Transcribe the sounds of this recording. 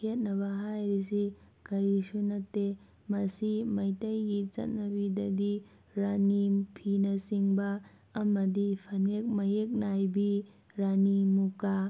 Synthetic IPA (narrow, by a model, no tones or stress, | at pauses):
kʰet̚nɐβɐɦajɾisi | kɐɾisunɐtːe | mɐsimɐjtɐjɡit͡ʃɐ̰t̚nɐbidɐdi | ɾanipʰinɐsiŋbɐː | mɐdipʰɐnek̚mɐjek̚najbi | ɾanimuka